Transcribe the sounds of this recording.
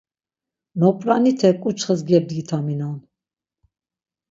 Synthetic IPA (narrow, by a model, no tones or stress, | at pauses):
nɔpʼɾanit̪ʰɛkʼut͡ʃʰχəzɡɛb̚d̪ɡit̪ʰaminan